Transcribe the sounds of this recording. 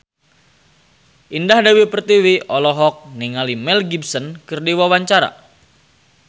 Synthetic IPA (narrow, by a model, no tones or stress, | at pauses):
ʔindahdawipərt̪iwiʔɔlɔɦɔk̚niŋalimɛlɡibsənkɨrdiwawaɲt͡ʃaɾa̰